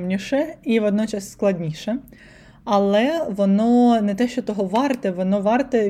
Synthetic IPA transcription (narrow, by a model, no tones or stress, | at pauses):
mnʲiʃɛiʋɔd̪nɔt͡ʃɑsːklˠɐdʲnʲiʃɛ | ɐlˠɛʋɔnɔnɛt̪ɛʃt͡ʃɔt̪ɔɦɔʋɑrt̪ɪʋɔnɔʋɑrt̪ɪ